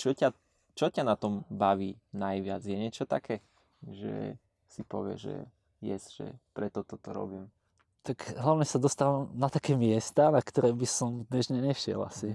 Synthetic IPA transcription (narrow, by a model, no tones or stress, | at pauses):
t͡ʃɔca | t͡ʃɔcanat̪ɔmbaʋiːnajʋɪad͡zjɛɲɪɛt͡ʃɔt̪akʰɛː | ʒɛ̰ | sipɔ̰ʋɪɛ̰ʒɛ̰ | jɛ̰sʒ̥ɛ̰pɾɛt̪ɔt̪ɔt̪ɔɾɔ̰biːm | t̪aɡɦlaʊɲɛsad̪ɔst̪aʋunat̪akɛːmɪɛst̪anakt̪ɔɾɛːbisɔmd̪ɲɛʒɲɛɲɛʃɪɛ̰la̰si